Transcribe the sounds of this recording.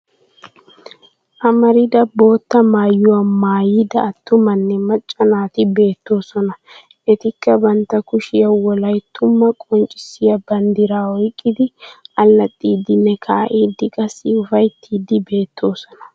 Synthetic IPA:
ʔɐmɐɾɪd̪ɐbo̞ːt̪ːɐmaːjːʊwɐmaːjɪd̪ɐːt̪ːʊmɐnːɛmɐt͡ʃʼːɐnaːt̪ɪbe̞ːt̪ːo̞ːsɔnɐ | ʔɛt̪ɪkːɐbɐnt̪ːɐkʊʃɪjɐwɔlɐjt̪ʰːʊmːɐkʼɔnt͡ʃʼɪ̥sɪjɐbɐnd̪ɪɾaːɔjkʼːɪd̪ɪʔɐlːɐt̪ʼːiːd̪ɪnːɛkʰaːʔiːd̪ːɪkʼɐsːɪʊfɐjt̪ʰːiːd̪ɪbe̞ːt̪ʰːo̞ːsɔnɐ̥

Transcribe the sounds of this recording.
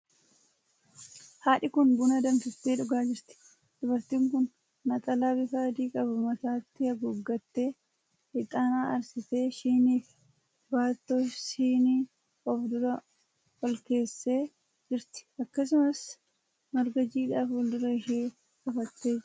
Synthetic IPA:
haːᶑɪkʊnbʊnɐd̪ɐnfɪt̪ːeːᶑʊɡaːd͡ʒɪɾt̪ɪ̥ | d̪̥ʊbɐɾt̪iːŋkʊnː | ɐt̪ʼɐlaːbɪfaːd̪iːkʼɐbʊmɐt̪aːt̪ːɪhɐɡʊɡːɐt̪ːe̞ː | ɪt̪ʼaːnaːʔɐ̰ɾsɪte̞ːʃiːniːf | baːt̪ːoːʃiːni | ɔfd̪ʊɾɐ | hɔlke̞ːsːe̞ː | d͡ʒɪɾt̪ɪ̥ɐkːɐs̬ʊmɐs | mɐɾɡɐd͡ʒiːᶑaːfɔld̪ʊɾɐɪʃeː | ɔfɐt̪ːeːd͡ʒɪ

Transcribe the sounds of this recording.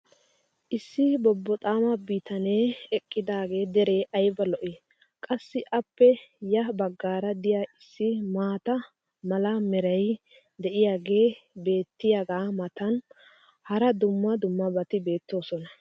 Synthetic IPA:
ʔɪsːɪbɔbːɔt̪ʼaːmɐbiːt̪ɐneːɛkʼːɪd̪aːɡe̞ːd̪ɛɾe̞ːʔɐjbɐlɔʔɛ | kʼɐsːɪʔɐpːɛjɐbɐɡːaːɾɐd̪ɪjaːʔɪsːɪmaːt̪ɐ | mɐlɐmɛɾɐj | d̪ɛʔɪjaːɡe̞ːbe̞ːt̪ːɪjaɡaːmɐt̪ɐn | hɐɾɐd̪ʊmːɐd̪ʊmːɐbɐt̪ɪbe̞ːt̪ːo̞ːsɔnɐ

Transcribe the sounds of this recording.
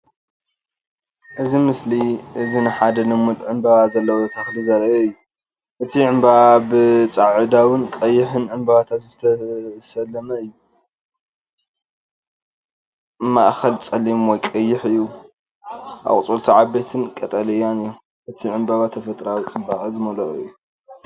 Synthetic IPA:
ʔɨzimɨsliʔɨzinɨħad̪ɐnɨmud̪ʕɨmbaβazɐlːɐwot̪ʰɐxlizɐɾɐʔɛɨjːu | ʔɨt̪ʰiʕɨmbaβabɨt͡sʼaʕɨd̪awɨnkʼɐjːɪħɨnʕɨmbaβat̪ʰat̪zɨt̪ʰɐsɐlːɐmɐɨjːu | maʔxɐlt͡sʼɐlːimwɔjkʼɐjːɪħɨjːu | ʔa̰kʼt͡sʼult̪ʰiʕabet̪ʰɨnkʼɐt̪ʼɐlɐjanɨjo | ʔɨt̪ʰiʕɨmbaβat̪ʰɐfɐt̪ʼɾawit͡sʼɨbaʔʼzɨmɐlɐʔʼuɨjːu

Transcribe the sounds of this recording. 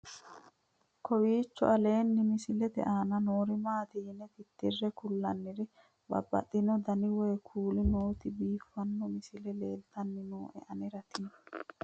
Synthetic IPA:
kʰɔwiːt͡ʃːɔ̰ʔɐle̞ːnːɪmɪsɪlɛd̪ɛ̰ʔaːnɐnoːɾɪmaːt̪ɪjɪnːɛt̪ɪt̪ːɪrːɛkʊlːɐnːɪɾɪ | bɐ̰bːɐ̰t̪ʼːɪnɔd̪ɐnɪwɔjkʰuːlɪnoːt̪ɪbiːfːɐnːɔmɪsɪlɛleːlt̪ɐnːɪnuːʔɛ̰ʔɐnɪɾɐt̪ɪnɔ̥

